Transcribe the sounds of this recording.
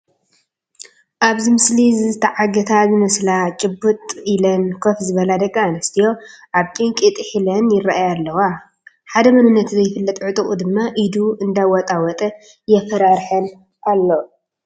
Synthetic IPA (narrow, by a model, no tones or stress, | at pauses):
ʔaβzɨmɨslizɨzɨt̪ʰɐʕaɡɐt̪ʰazɨmɐslat͡ʃʼɨbːut̪ʼilɐnkʰofzɨβɐlad̪ɐɡʼːanɐst̪ʰijo̞ʔaβt͡ʃʼɨŋkʼit̪ʼħilɐnjɪrːaʔajalːɐwa | ħad̪ɐmɐnɨnːɐt̪zɐjɪfɨlːɐt̪ʼʕɨt̪ʼɨkʼud̪ɨmːaʔid̪uʔɨnd̪awɔt̪ʼawɔt̪ʼɐ | jɛfɐɾaɾħɐn | ʔalːo